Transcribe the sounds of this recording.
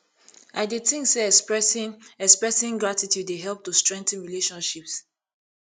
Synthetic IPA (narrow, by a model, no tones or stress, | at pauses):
ʔaɪdetĩŋkseɛs | ɛkspɹɛsĩŋɡɹatitjudːeɦɛlp̚tustɹɛ̃ŋk̚tɛ̃nɹileʃɔ̃nʃips